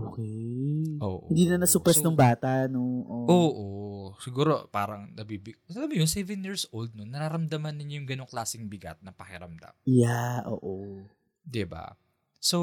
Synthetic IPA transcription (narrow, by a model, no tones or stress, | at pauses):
ʔokɛʔoːʔo̰ɪnd̪iːnɐnɐsʊpɛsnʊŋbaːt̪aʔnoʔoʔoːʔosɪɡuːɾopaːɾɐŋnɐbibɪɡɐɐlamjonsɛvɛnjiɹsʔold̪̚nonːɐɾaːɾɐmd̪ɐmɐnːɪɲojʊŋɡɐno̞ŋklaːsɪŋbɪɡa̰t̪̚nɐpɐkɪɾɐmd̪a̰mjaʔo̰ːʔo | d̪ɪba̰ | so